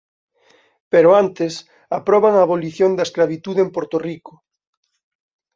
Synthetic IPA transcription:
peɾoant̪es | apɾɔβaŋaːβoliθjond̪aesklaβit̪uðempoɾt̪orikʊ̥

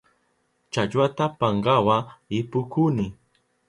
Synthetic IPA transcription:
t͡ʃat͡ʃwat̪apaɴɢawaɪpʊkʊnɪ

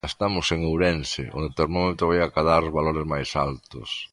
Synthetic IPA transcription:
est̪amʊseŋuwɾensɪ̰o̰nd̪ot̪eɾmamẽnt̪oβajakaðaɾzβaloɾezmajsalt̪ʊ̰s

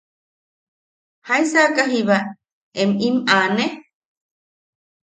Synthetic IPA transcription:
haĩsakaɦiβa | emimane

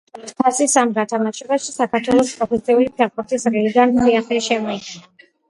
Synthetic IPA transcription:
ɛt̪ʰkʰasisamɡat̪ʰamaʃɛbaʃisakʰaɾt̪ʰwɛlˠɔspʼɾɔpʰɛsiulipʰɛɾpuɾt̪ʰisɾiliɡaniaχlɛʃɛmɔit̪sʰʼina

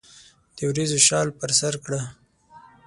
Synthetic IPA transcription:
d̪̥əwɾezoʃɑlpəɾsaɾkɽa

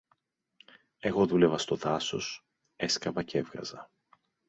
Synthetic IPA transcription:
e̞ɣo̞ðule̞vɐst̪o̞ðɐso̞s | e̞skɾɐvɐce̞vɣɐ̰zɐ

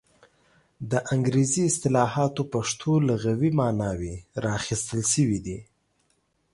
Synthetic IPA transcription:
d̪əʔaŋɡɾeziɪst̪ɪlɑɦɑt̪opaʂt̪ʰolaɣawimɑnɑweɾɑxist̪əlʃəwid̪i

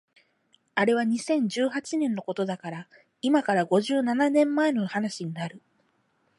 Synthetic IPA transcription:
aɾe̞β̞aɲ̟isẽ̞ɲ̟d͡ʑɨːhat͡ɕinẽ̞nːo̞ko̞t̪o̞d̪akaɾa | imakaɾaɡo̞ʑɨːnananẽ̞mːae̞no̞hanaɕiɲ̟inaɾɯ̟

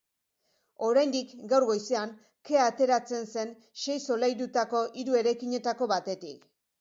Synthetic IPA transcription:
o̞ɾajnd̪ikɡawɾɣo̞jse̞aŋ | ke̞at̪e̞ɾat͡se̞nse̞n | ʃe̞jso̞lajɾut̪ako̞ʔiɾue̞ɾajkiɲe̞t̪ako̞βat̪e̞t̪ḭk

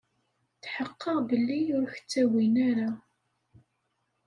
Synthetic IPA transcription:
θħəqːəʁbəlːijʊɾçə̥t͡sːæwinaɾa

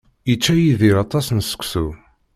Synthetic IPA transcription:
it͡ʃːæjiðiɾɑt̪ˤɑsnsə̥kʷsu

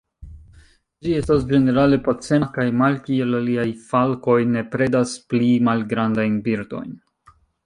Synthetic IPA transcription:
d͡ʒie̞stasd͡ʒe̞ne̞ɾale̞pot͡se̞nakajmalkie̞laliajfalko̞jne̞pɾe̞dasplimalɡɾandajnbiɾdo̞̰jn

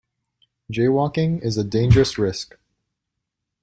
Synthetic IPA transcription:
d̥d͡ʒeɪwɔkɪ̃ŋɪzɨdẽɪ̃nd͡ʒə˞ɨsɹɪsk

